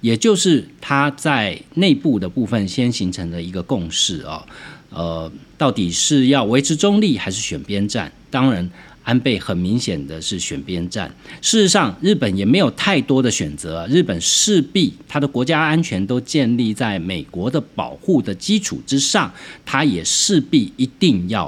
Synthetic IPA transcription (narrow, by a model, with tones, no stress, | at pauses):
jɛ˨˩t͡ɕjo˥˧ʊʂɻ̩˥˩t̪ʰa˥t͡sa˥˧ɪne˥˧ɪpu˥˩d̪ə˩pu˥˧fə˨˩nɕjɛ˥nɕi˧˥ŋʈ͡ʂʰɤ˧˥ŋd̪ə˧˨i˧˥ɡə˧kʊ˥˧ŋʂɻ̩˥˩ɐ̰˩ə˧t̪ɑ˥˩ʊt̪i˨˩ʂɻ̩˥˧jɑ˥˩ʊwe˧˥ɪʈ͡ʂʰɻ̩˧˥ʈ͡ʂo˥ŋli˥˨˩xa˧ɪʂɻ̩˥˩ɕɥɛ̰˨˩npjɛ˥nʈ͡ʂa̰˥˩nt̪ɑ˥ŋɻa˧˥n | a˥npe˥˩ɪxə˨˩nmi˧˥ŋɕjɛ˨˩nd̪ə˦ʂɻ̩˥˩ɕɥɛ̰˨˩npjɛ˥nʈ͡ʂa̰˥˩nʂɻ̩˥˩ʂ̩˧˥ʂɑ˥˧ŋɻ̩˥˩pə˨˩njɛ˨˩me˧˥ɪjo˨˩ʊt̪ʰa˥˩ɪt̪wɔ˥d̪ə˨ɕɥɛ˨˩nt͡sɤ˧˦˧ɻɻ̩˥˩pə˨˩nʂɻ̩˥˧pi˥˩t̪ʰa˥d̪ə˨˩kwɔ˧˥t͡ɕja˥a˥nt͡ɕʰɥɛ˧˥nt̪o˥ʊt͡ɕjɛ˥˧nli˥˧t͡sa˥˩ɪme˨˩ɪkwɔ˧˥d̪ə˨pɑ˨˩ʊxu˥˩d̪ə˩t͡ɕi˥ʈ͡ʂʰṵ˨˩ʈ͡ʂɻ̩˥ʂɑ˥˨˩ŋt̪ʰa˥jɛ˨˩ʂɻ̩˥˧pi˥˩i˧˥t̪i˥˧ŋjɑ˥˩ʊ